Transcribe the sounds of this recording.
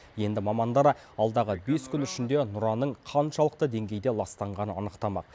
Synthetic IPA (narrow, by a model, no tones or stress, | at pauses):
je̞nd̪ɪmɑmɑnd̪ɑɾɑ | ɑlˠd̪ɑʁəbe̞skʲʏnʏʃɪnd̪e̞nʊɾɑnəɴqʰɑnʃɑlˠəq̚t̪əd̪e̞ŋɡʲe̞jd̪e̞lˠɑst̪ɑɴʁɑnəɑ̰nəqt̪ɑmɑ̰q̚